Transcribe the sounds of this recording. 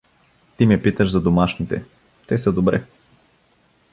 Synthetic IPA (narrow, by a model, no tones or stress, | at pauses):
t̪imɛpit̪əʒzɐd̪omaʃnit̪ɛ̰ | t̪ɛsəd̪obɾɛ̰